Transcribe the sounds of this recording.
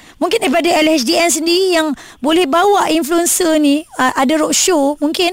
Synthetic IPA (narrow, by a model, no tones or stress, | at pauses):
mũŋkɪndaɾipadaɛlɛt͡ʃdiɛns̬əndiɾijaŋ | bolɛhbawaʔinfluɛnsənĩʔadaɾɔʔʃomuŋkɪn